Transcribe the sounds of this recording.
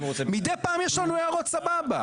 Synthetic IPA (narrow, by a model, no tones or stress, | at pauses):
omid̪ejpaːmjɛʃlanuajaʁot̪sababa̰